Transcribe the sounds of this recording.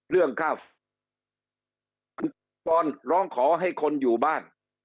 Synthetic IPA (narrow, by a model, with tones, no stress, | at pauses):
ɾɯ˥˩əŋkʰa˥˩ | a˧n | tɔː˧nɾɔː˦˥ŋkʰɔː˩˦ɦa˥˩jkʰo˧njuː˨˩baː˥˩n